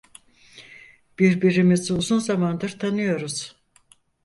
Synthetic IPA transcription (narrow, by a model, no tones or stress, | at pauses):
b̥iɾbiɾimizuzunzamand̪ɯɾt̪ʰanɯjo̞ɾuz̥